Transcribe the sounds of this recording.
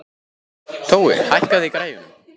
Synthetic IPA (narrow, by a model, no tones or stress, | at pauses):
θʰowɛ̰ɾhajhkaðikɾaːjvʏnʏ̰m